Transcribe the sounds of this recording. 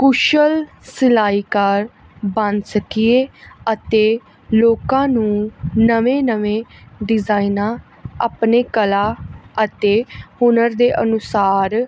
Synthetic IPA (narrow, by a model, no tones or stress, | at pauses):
kuʃəl | sɪlaːiːkaɾ | bənsəkieːət̪eː | loːkãːnũːnəʋẽːnəʋẽːɖɪzaːinãː | aːpneːkəlaːət̪eːhʊnəɾd̪eːʔənʊsaːɾ